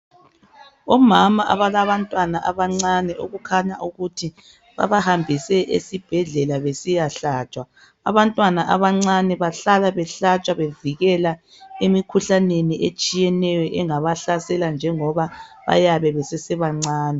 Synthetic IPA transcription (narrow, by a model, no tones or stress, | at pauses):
ɔmamaʔaβaɣaβantʼwanaʔaβaŋ͡ǀanɛʔoɣukʰaɲaʔuɣutʰi | βa̰βahambʱisɛʔḛsib̥ʱɛɮɛlaβesijaɬat͡ʃʼwa | a̰βantʼwanaʔaβaŋ͡ǀanɛβaɬalaβɛɬat͡ʃʼaβeviɣɛla | emikʰuɬaneniʔet͡ʃʼijɛnɛjɔʔɛŋaβaɬasɛland͡ʒʱɛŋɔβaβa̰jaβɛβɛsɛsɛβaŋ͡ǀaːnɛ